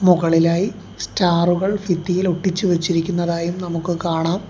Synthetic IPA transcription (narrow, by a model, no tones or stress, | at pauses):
muɣɐɭilaːji | staːruɣɐɭfit̪ːijiloʈːit͡ɕːɨʋet͡ɕːiɾikʲːunːɐðaːjumnɐmukːɨkaːɳaːm